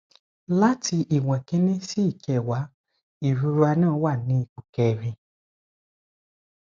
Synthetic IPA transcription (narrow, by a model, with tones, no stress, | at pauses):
la˦tʰi˧ʔi˨wã˨kĩ˦nĩ˦si˦i˦˨kɛ˨wa˨˦ | i˦˨ɾu˧ɾa˧nãː˦˨˦wa˦˨nĩ˨˦i˦˨ku˨kɛ˧˨ɾĩ˧